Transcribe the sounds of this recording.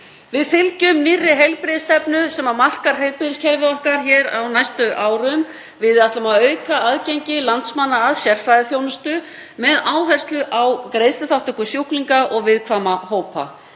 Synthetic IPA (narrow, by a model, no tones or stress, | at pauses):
vɪðfɪlcʏmnɪrːɪɦejlpɾɪðɪst̪ɛpnʏsɛmaɾmar̥kaɾ̥ɦejlpɾɪðɪscʰɛɾvɪɔhkaɾ̥çɛːɾa̰wnajst̪ʏʔaːwɾʏm | vɪðaht̪lamaðœːɥkaaðcejɲcɪlant̪smanːaːðsjɛr̥fɾajðɪθjownʏst̪ʏ | mɛðaːwɦɛr̥st̪lʏʔawkɾejðst̪ʏθawht̪œhkʏsjuwkliŋkaʔɔɣvɪðkʰvaːmahoːwpa̰